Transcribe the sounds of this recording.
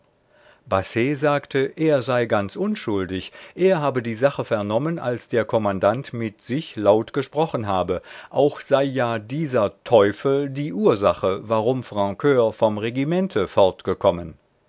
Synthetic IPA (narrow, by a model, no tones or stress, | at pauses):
b̥aseːzaːktʰəʔeːɐzaɪɡant͡sʔʊnʃʊldɪçʔeːɐɦaːbədiːzaχəfɛɐnɔmənʔa̰lsd̥eːɐkʰɔmandantmɪtz̥ɪçlaʊtɡ̥əʃpʁ̥ɔχənɦaːbəʔaʊxz̥aɪjaːdiːzɐtʰɔʏfl̩diːʔuːɐzaχəvaʁʊmfʁ̥ɑ̃kʰøːɐfɔmʁeɡimɛntʰəfɔɐtɡ̥əkʰɔmən